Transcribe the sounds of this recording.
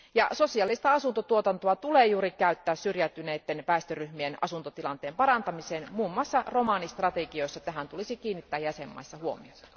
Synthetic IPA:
jɑso̞siɑlːist̪ɑɑsunt̪ot̪uot̪ɑnt̪oɑt̪uleːjuːɾikæyt̪ːæːssyrjæt̪ːˑyneːt̪ːenpæˑist̪øryhmienɑsunt̪ot̪ilɑnt̪eːmpɑɾɑnt̪ɑmiseːnmuːmːɑsːɑro̞mɑnist̪rɑt̪eɡio̞isːɑet̪ːæɦænt̪ulisikiːnːit̪ːæːjjæsemːɑ̰isːɑhuo̰mḭot̪ːɑ̥

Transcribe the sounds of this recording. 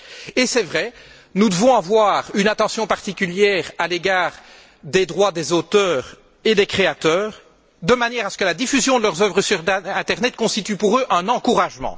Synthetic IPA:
esɛvʁɛ | nud̪əvɔ̃avwaːʁynat̪ɑ̃sjɔ̃paʁt̪ikʲyljɛːʁaleɡaːʁ | d̪ed̪ʁwad̪ezot̪œːʁ | ed̪ekχeat̪œːʁ | d̪əmanjɛʁasə̥kəlad̪ifyzjɔ̃d̪əlœʁzœvʁəsyʁd̪ɛ̃t̪ɛʁnɛt̪̚kɔ̃st̪it̪ypuʁøʔɛ̃nɑ̃kuʁaʒmɑ̰̃

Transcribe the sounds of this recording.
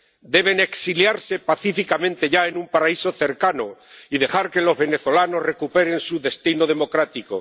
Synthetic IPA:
d̪e̞β̞e̞ne̞ksiljaɾse̞paθifikamẽnt̪e̞ʝae̞numpaɾaiso̞θe̞ɾkanoiðe̞xaɾke̞lo̞zβe̞ne̞θo̞lano̞zre̞kupe̞ɾe̞nsuðe̞st̪inoð̞e̞mo̞kɾat̪iko̰

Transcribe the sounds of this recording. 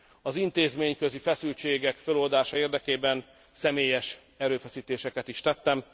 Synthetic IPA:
ɒzint̪eːzmeːɲkø̞zifɛsylt͡ʃeːɡɛkfølold̪aːʃɒeːrd̪ɛkeːbɛn | sɛmeːjɛʃ | ɛɾøːfɛsiːt̪eːʃɛkɛt̪iʃt̪ɛt̪ːɛm

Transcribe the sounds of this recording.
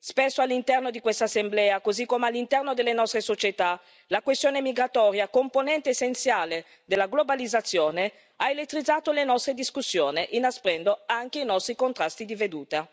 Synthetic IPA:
spesːoalːint̪ɛrnod̪ikwest̪asːemblɛːakozikːomealːint̪ɛrnod̪elːenɔst̪ɾesot͡ʃet̪a | lakwest̪joːnemiɡɾat̪ɔːɾjakomponɛnt̪eːsːent̪sjaːle | d̪elːaɡlobalid̪zːat̪sːjoːne | aelet̪ːɾid̪zaːt̪olenɔst̪ɾed̪iskusːjoːneʔinaspɾɛnd̪oaŋk̟einɔst̪ɾikont̪ɾast̪id̪ived̪uːt̪a

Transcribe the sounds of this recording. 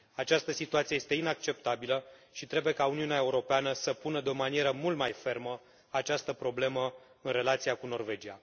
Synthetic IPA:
at͡ʃast̪əsit̪uat̪sieje̞st̪e̞inak̚t͡ʃe̞pt̪abiləʃit̪ɾe̞bujekauniuneaeuɾo̞peanəsəpunəd̪eo̞manieɾəmult̪majfe̞rmə | at͡ʃast̪əpɾo̞ble̞mə | ɨnre̞lat̪sijakuno̞rve̞d͡ʒia̰

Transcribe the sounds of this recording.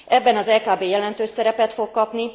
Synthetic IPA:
ɛbːɛnɒzɛːkaːbeːjɛlɛnt̪øːʃsɛɾɛpɛt̪fo̞kːɒpni

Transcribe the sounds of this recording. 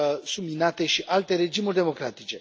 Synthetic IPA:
suminat̪e̞ʃiʔalt̪e̞ɾe̞d͡ʒimurd̪e̞mo̞kɾat̪it͡ʃe̞

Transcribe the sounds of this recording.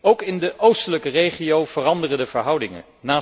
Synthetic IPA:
owkɪndəʔowstələkərejχiowv̥ərɑndərədəvəɹɦʌwdɪŋə̰n | naː

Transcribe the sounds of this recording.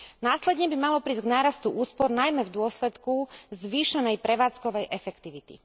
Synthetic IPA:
naːslɛd̪ɲɛbimalɔpɾiːzɡnaːɾast̪uʔuːspɔɾnajmɛvd̪ʊɔslɛt̪kuzʋiːʃɛnɛjpɾɛʋaːt͡skɔʋɛjʔɛfɛkt̪iʋit̪ḭ

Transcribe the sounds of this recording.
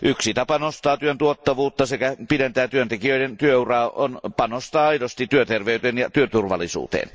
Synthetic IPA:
ʔyksit̪ɑpɑnost̪ɑːt̪yønt̪uot̪ːɑʋuːt̪ːɑsekæpident̪æːt̪yønt̪ekiøˑiɾent̪yøurɑːonpɑnost̪ɑːɑidost̪it̪yøt̪erʋeˑyt̪enjɑt̪yøt̪urʋɑlːˑisṵːt̪ḛːn

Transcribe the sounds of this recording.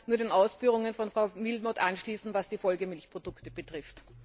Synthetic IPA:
nuːɐɾeːnʔaʊsfyːʁʊŋənfɔnfʁaʊmɪlmɔtʔanʃliːsn̩vasd̥iːfɔlɡəmɪlçpʁ̥od̥ʊktəb̥ətʁ̥ɪft

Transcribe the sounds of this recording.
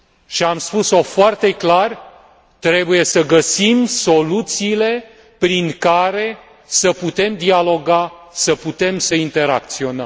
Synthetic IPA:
ʃiamspuso̞foart̪e̞klar | t̪ɾe̞buje̞səɡəsimso̞lut̪siːle̞ | pɾiŋkaɾe̞ | səput̪e̞md̪ialo̞ɡasəput̪e̞msəint̪e̞ɾa̰k̚t̪sio̞nə̰m

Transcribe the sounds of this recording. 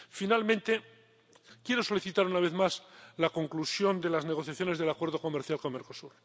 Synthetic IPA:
finalmẽnt̪e̞ | kje̞ɾo̞so̞liθit̪aɾunaβ̞e̞θmaslako̞ŋklusjo̞nd̪e̞lazne̞ɣ̞o̞θjaθjo̞ne̞zðe̞lakwe̞ɾðo̞ko̞meɾθjalko̞nme̞ɾko̞suɾ

